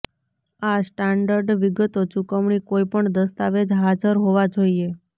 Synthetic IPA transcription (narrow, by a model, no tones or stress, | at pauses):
asʈaɳɖəɾɖʋiɡət̪ot͡ʃukəʋɳikoipəɳd̪əst̪aʋed͡ʒɦad͡ʒəɾɦoʋad͡ʒoie